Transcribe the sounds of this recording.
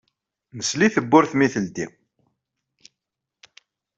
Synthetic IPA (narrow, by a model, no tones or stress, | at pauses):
nəsliθəbːʊɾθmiθəld̪ḭ